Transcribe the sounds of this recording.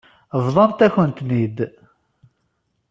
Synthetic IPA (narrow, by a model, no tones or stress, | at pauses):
vðˤɑnt̪æçənt̪nid̪